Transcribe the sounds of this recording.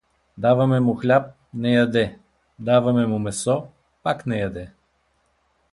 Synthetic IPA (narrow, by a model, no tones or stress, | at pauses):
d̪avɐmɛmʊxlʲap̚ | nɛjad̪ɛ | d̪avɐmɛmʊmɛsɔ | paknɛjɐd̪ɛ